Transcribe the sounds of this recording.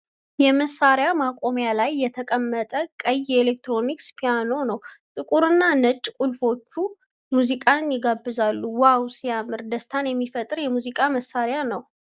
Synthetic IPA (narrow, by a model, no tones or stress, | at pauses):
jɛməsːaɾjamakʼo̞mjalajːɛt̪ʰəkʼəmːət̪ʼəkʼəjːɛelek̚t̪ɾo̞nikspʰijano̞nəwt̪ʼɨkʼuɾɨnːanət͡ʃʼkʼulfo̞t͡ʃːu | muzikʼanjɪɡabːɨzalːuwawsijamːɨɾd̪əst̪ʰanjɛmːifət̪ʼɨɾjɛmuzikʼaməsːaɾjanəw